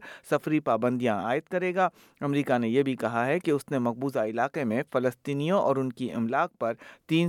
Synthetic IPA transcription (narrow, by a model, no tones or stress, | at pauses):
sɐfɾipaːbə̃nd̪ijãaːɪt̪kɐɾeːɡaː | ɐmɾiːkanejebʱikɐɦaɦɛkeʊsnemɐq̚buːzaɪlaːqemẽfɐləst̪iːnijõʔɔ̰ːɾʊnkiɪ̰mlaːq̚pɐɾt̪iːn